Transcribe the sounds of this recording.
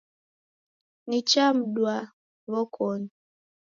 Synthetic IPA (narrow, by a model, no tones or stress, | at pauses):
nit͡ʃam̩dwa | βɔkʰɔni